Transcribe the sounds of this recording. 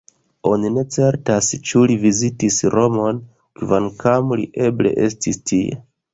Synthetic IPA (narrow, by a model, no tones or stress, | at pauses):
o̞nine̞t͡se̞ɾtast͡ʃulivizitisɾo̞mo̞n | kvankamlḭʔe̞ble̞̰ʔe̞stistʰiḛ